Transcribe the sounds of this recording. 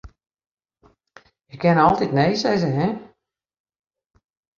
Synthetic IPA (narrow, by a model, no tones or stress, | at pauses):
jəkʰːɪnɔlˠtitnejsɛjzəɦɛ